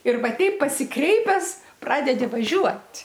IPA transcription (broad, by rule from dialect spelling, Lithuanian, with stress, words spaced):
ɪr ˈʋɐ ˈtʲɛɪp pɐsʲɪˈkrʲɛɪpʲɛs ˈprɑːdʲɛdʲɪ ʋɐˈʒʲuɔtʲ